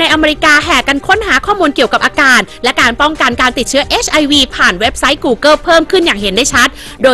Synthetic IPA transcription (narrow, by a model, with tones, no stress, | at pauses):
a˧jʔa˧meː˧ɾi˦˥kaː˧ɦɛː˨˩ka˧nkʰo˦˥nɦaː˩˦kʰɔː˥˩muː˧nki˨˩əwka˨˩p̚ʔaː˧kaː˧nlɛ˦˥kaː˧npɔ˥˩ŋka˧nkaː˧nt̪i˨˩t̪̚t͡ɕʰɯ˦˥ɐʔe˦˥t͡ɕʰʔa˧jwiː˧pʰaː˨˩nwe˦˥p̚sa˦˥jkuː˧˩kɤ˥˩pʰɤː˥˩mkʰɯ˥˩njaː˨˩ŋhe˩˦ndaː˥˩t͡ɕʰa˦˥t̪̚ | doː˧